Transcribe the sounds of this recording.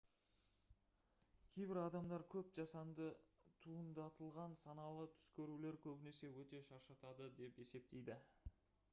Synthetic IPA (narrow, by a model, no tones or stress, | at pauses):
kʲʰe̞jbɪɾɑd̪ɑmd̪ɑɾkʲʰɵp̚ʒɑsɑnd̪ət̪ʰuənd̪ɑt̪əlˠʁɑnsɑnɑlˠət̪ʰʏ̥skʲeɾule̞ɾkʲʰɵbɪne̞se̞wɵt̪e̞ʃɑɾʃɑt̪ɑd̪əd̪e̞pe̞se̞p̚t̪e̞jd̪ɪ